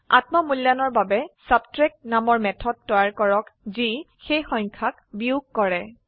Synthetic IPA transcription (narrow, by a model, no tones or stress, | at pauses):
a̰tmɔmuljanɔɹbabɛsabtɹɛk̚namɔɹmɛtʰɔd̚tɔjaɹkɔɹɔkzi | xejxɔj̃ŋkʰakbiuɡ̚kːɔɹɛ